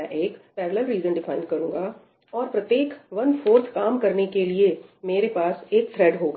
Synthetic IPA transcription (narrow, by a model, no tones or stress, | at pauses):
ɛ̃ʔeːkpɛːʋələlɾiːzə̃nɖɪfaːɪ̃nɖkɐɾũːŋɡa | ɔːɾpɾɐt̪jeːkʋɐnfoːɾsʰkaːmkɐɾnekeliemeːɾepaːseːkt̪ʰɾɛɖɦoːɡa